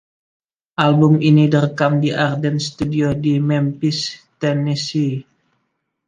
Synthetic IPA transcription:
ʔalbuminidərkamdiʔardɛnst̪udiodimɛmpist̪ɛnisi

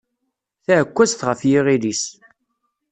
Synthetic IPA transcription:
θæʕəkʷːæst̪ʁəfjiʁilis

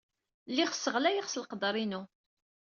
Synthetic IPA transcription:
lːiχsːəʁlæjəʁslqəd̪ɾˤinu

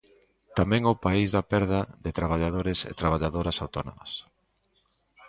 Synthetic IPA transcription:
t̪amɛ̃ŋopaizðɐpɛɾðɐðɪt̪ɾaβ̞aʎaðoɾɪsḛt̪ɾaβ̞aʎaðoɾɐsawt̪ono̰mɐ̰s

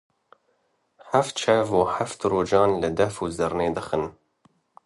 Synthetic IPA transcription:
ħaft̪̚t͡ʃʰɛvoːħaft̪roːd͡ʒɑːnlɨd̪ɛfuːzɨɾneːd̪ɨxɨn

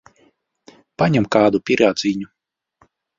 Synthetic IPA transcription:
paɲɛmkaːd̪upʲiɾaːd̪ziːɲu

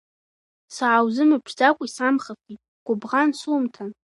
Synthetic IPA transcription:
saʕawzɨmɨpʰzakʷʼisamχafitʼɡ̥ʷʼʊbʁansuːmtʰan

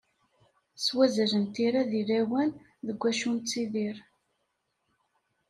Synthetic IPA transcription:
swæzələnt̪iɾæðilæwæn | ðəɡʷːæʃunt͡sːiðiɾ

